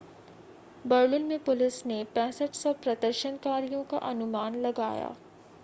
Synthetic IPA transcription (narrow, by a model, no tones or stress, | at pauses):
bɐɾlɪnmẽpʊlɪsnepɛːsəʈsɔpɾɐd̪əɾʃənkaːɾijõka̰ʔɐnʊmaːnlɐɡa̰ːja̰ː